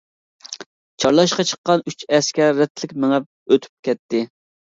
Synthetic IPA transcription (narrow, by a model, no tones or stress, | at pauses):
t͡ʃʰɑɾlˠɑʃqɑt͡ʃʰə̥qːɑnyt͡ʃɛskʲɛɾːɛt̪ʰlɪkʲmɪŋɛp̚øt̪ʰy̥p̚kʲɛt̪ʰːɪ